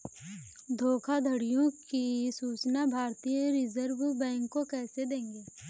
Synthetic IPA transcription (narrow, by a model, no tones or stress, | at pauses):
d̪ʱoːkʰad̪ʱəɽijõkisuːt͡ʃnabʱaːɾt̪iːjəɾɪzəɾbbɛ̃ːŋkːokɛːsed̪ẽːŋɡeː